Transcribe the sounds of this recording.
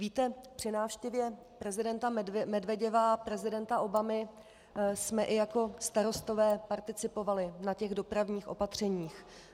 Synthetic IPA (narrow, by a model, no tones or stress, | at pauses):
viːt̪ɛpr̝̥ɪnaːfʃcɛvjɛ | pɾɛzɪdɛnt̪amɛdvɛɟɛvapɾɛzɪdɛnt̪aʔo̞bamɪ | smɛʔɪjako̞st̪aɾo̞st̪o̞vɛːpaɾt̪ɪt͡sɪpo̞valɪnacɛɣdo̞pɾavɲiːxʔo̞̰pat̪r̝̥ɛɲiːx